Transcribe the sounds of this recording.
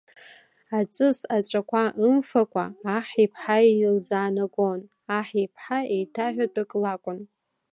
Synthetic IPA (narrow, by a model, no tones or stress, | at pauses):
at͡sʼɨsat͡ʃʷʼakʷʰaʔɨmfakʷʰʼa̰ːħipʰħaild͡zaːnaɡʼon | aħipʰħaejtʰaħᶣadʼɨkʼlakʷʼʊn